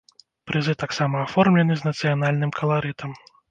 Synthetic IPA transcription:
pɾɨzɨt̪aksamɐːfɔrmlʲɛnɨznɐt̪sɨjanalʲnɨmkʰɐlˠaɾɨt̪ʰɐm

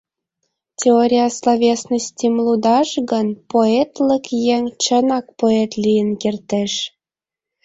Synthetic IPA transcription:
tʲeoɾʲijɑslˠovʲesnəsʲtʲimlˠud̪ɑʃɣɤ̆npoet̪lʲə̆kjeŋʲt͡ɕɤ̆nɑk̚poet̪lʲijə̆nkʲert̪ĕʃ

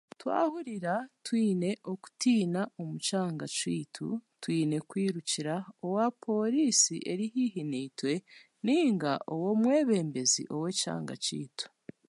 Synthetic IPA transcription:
twa̰ːhuɾiɾatwiːne̞ʔo̞ku̥tiːnao̞mut͡ʃaːŋɡacwiːtʰṵtwiːne̞kwiːɾuciɾao̞wapʰo̞ɾiːsiʔe̞ɾihiɦiniːtwe̞ | niːŋɡaʔowo̞mwe̞ːβe̞ːmbe̞zḭʔo̞we̞ca̰ːŋɡa̰cḭːtu̥

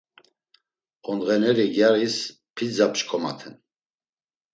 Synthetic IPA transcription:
ɔnʁɛnɛɾiɡjaɾis | pʰid͡zapt͡ʃkʰʼɔma̰t̪ʰɛn

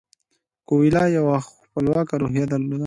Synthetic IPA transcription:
kowilɑjawax | pəlwɑkaɾoɦjad̪aɾlod̪a

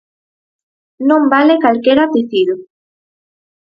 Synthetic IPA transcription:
nõmbalekalkeɾapiθiðo

